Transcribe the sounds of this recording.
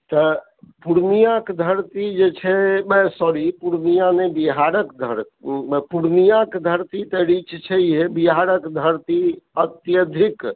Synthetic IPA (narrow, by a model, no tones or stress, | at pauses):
t̪ə | puɾnijakd̪ʱəɾt̪id͡ʒet͡ʃʰɛbɛsɔɾipuɾnijanebiɦaɾəkd̪ʱəɾ | puɾnijakd̪ʱəɾt̪it̪əɾit͡ʃt͡ʃʰɛjɦebiɦaɾəkd̪ʱəɾt̪iət̪jəd̪ʱik